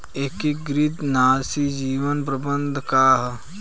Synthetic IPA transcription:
ekiɡɾɪt̪naːsid͡ʒiːʋənp̬ɾɐbənd̪ʱkaːɦ

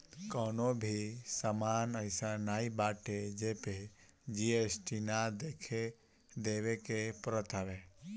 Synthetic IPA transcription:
kɔːnobʱisamanəɪsanaːibaʈed͡ʒeped͡ʒiesʈinad̪ekʰe | d̪eʋekepɾət̪ʰaʋe

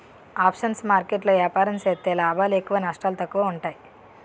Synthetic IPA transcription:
aːpʂɐnsmaːɾkeʈlɐʋjaːpaːɾɐmt͡ʃeːt̪ːeːlaːbʱaːlekuʋanɐʂʈaːlɐt̪ɐkːuʋɐuɳʈaːji

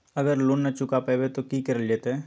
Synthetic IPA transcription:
ɐɡəɾloːnːɐt͡ʃʊkapəbet̪okikɪɾəld͡ʒet̪ɦɛː

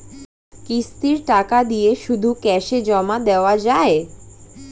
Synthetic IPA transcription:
kist̪iɾʈakad̪ijeʃud̪ʱukɛʃed͡ʑɔmad̪eoad͡ʑae

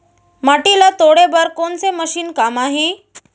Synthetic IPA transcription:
maʈilat̪oɽebaɾkonseməɕiːnkamaɦẽ

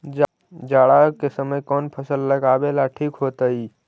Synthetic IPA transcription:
d͡ʒ | d͡ʒaɽakesəməjkɔːnpʰəsəlːəɡabelaʈʰiːkɦoːt̪əi

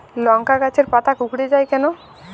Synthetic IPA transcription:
lɔŋkakat͡ɕʰeɾpat̪ʰakukɽed͡ʑajkɛno

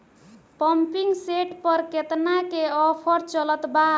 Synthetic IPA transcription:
pʌmpiŋseʈpʌɾket̪nakeʌpʰʌɾt͡ʃʌlʌt̪ba

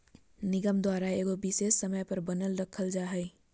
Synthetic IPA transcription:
nɪɡəmd̪waːɾaeːɡobɪsesːəməjpəɾbənəlɾəkʰəld͡ʒaɦɛj

